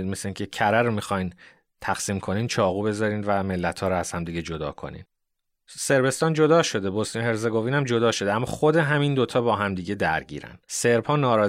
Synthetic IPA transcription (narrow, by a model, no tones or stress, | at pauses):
mesleiŋcʰecʰæɾæɾomixɒjn | t̪ʰæxsiːmkʰo̞niːnt͡ʃʰɒːɣuːbe̞zɒːɾiːnvæme̞lːæt̪ʰhɒːɾɔæz̥hæmd̪iɟed͡ʒo̞d̪ɒ̰ːkʰo̞̰nḭːn | se̞ɾbe̞st̪ɒːnd͡ʒo̞d̪ɒːʃo̞d̪ebost̪inhe̞ɾzeɡoviːnæmd͡ʒo̞d̪ɒːʃo̞d̪eæmːɒ̰ːxod̪e̞ɦæmind̪ot̪ʰɒːbɒːɦæmd̪iːɟe̞d̪æɾɟḭːɾæ̰nd̪̥se̞ɾphɒːnɒːɾɒː